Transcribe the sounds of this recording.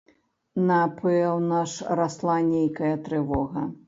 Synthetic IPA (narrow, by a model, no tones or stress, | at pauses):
napɨɛwnaʂɾaslˠanʲejkɐjɐt̪ɾɨvɔɣɐ